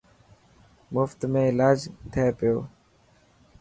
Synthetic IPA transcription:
mʊft̪mẽːɪlaːd͡ʒt̪ʰəeːpɪjoː

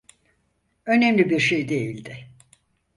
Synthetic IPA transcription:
ø̞nemlʲibiɾʃejd̪e̞jilʲd̪ɪ

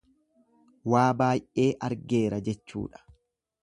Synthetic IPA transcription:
waːbaːjʔe̞ːʔɐɾɡe̞ːɾɐd͡ʒɛt͡ʃːṵːᶑɐ̥

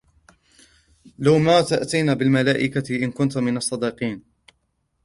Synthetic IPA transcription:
lawmaːt̪aʔt̪ajnaːbɪlmalaːʔɪkaʔɪnkʊnt̪mɪnɑsˤːɑd̪iqiːn

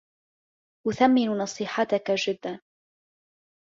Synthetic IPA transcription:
ʔʊθamːɪnunɑsˤiːħat̪akad͡ʒɪd̪ːan

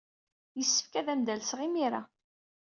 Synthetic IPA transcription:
jəsːə̥fkæðæmd̪ælsʁimiɾa

